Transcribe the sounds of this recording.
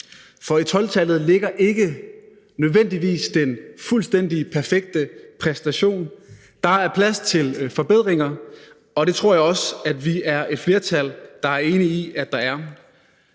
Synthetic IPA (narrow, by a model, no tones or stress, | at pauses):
fɒ̽it͡sʰɒ̽lt͡sʰæl̰ð̩ˠle̝ɡ̥ɐʔe̝ɡ̥ə | nøð̞ˠʋen̰d̥iʋḭːsd̥enfulsd̥en̰d̥ipʰæɐfeɡ̥̚d̥əpʰʁɛsd̥æɕo̝̰ːn | d̥ɑ̈æɐpʰlæst͡sʰe̝lfɒ̽b̥eð̰ˠʁeŋɐ | ɒ̽d̥e̝t͡sʰʁo̝ɐ̰jɑ̈ɪɒ̽sæd̥ʋiæɐʔe̝d̥fle̝ːɐt͡sʰæld̥ɑ̈æɐe̝ːniiʔæd̥ɑ̈æɐ